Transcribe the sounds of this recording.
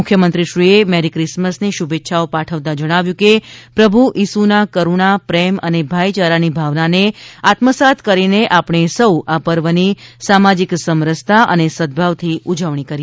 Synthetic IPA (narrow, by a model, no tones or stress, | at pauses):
mʊkʰjəmənt̪ɾiʃɾiemɛɾikɾɪsməsniʃubet̪ːʃʰaopaʈʰəʋt̪ad͡ʒəɽ̃aʋjũkepɾəbʱuʔisunakəɾuɳapɾɛmənebʱajt͡ʃaɾanibʱaʋnaneat̪məsat̪ʰkəɾineʔapɳ̃esəwapəɾʋənisamad͡ʒiksəmɾəst̪ʰaʔənesəd̪̚bʱaʋt̪ʰiud͡ʒəʋɳ̃ikəɾi